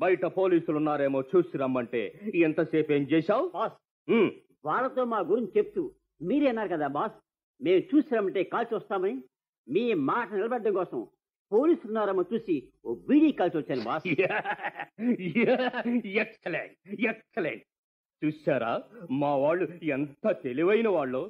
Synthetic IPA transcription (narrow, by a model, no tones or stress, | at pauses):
bɐjʈɐpoːliːsulunːaːɾeːmo̞ːt͡ʃuːsiɾɐmːɐɳʈḛːɛnt̪ɐseːpeːnt͡ʃɛːʃaːwbaːs | ʋaːɭːɐt̪o̞ːmaːɡuɾiɲt͡ʃt͡ʃep̚t̪u | miːɾenːaːɾukɐd̪aːbaːs | me̞ːmt͡ʃuːsamɐɳʈe̞ːkaːlsiʋɐst̪aːmɐni | miːmaːʈɐnilɐbɐɽɖɐŋkɔːsɐm | poːliːsɾunːaːɾɐmot͡ʃuːsioːbiːɽiːkaːlsiʋɐt͡ʃːaːnibaːsa | jaɛkselḛɳʈ̚ekselḛɳʈ | t͡ʃuːsaːɾa̰ːmaːʋaːɭːuent̪ɐt̪eliʋɐjinɐʋaːɭːoː